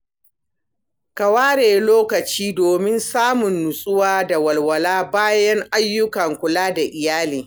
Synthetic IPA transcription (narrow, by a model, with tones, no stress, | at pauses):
kɐ˨waː˦ɽeː˨loː˦kɐ˨t͡ʃiː˦doː˨mɪ˦nsaː˦mʊ˨nːʊ˨sʼʊ˦waː˦da˨wɐ˨lwɐ˨laː˦baː˦jɐ˦ŋʔa˦jːʊ˦kɐ˨ŋkʷʊ˨laː˦da˨ʔɪ˨jaː˦liː˨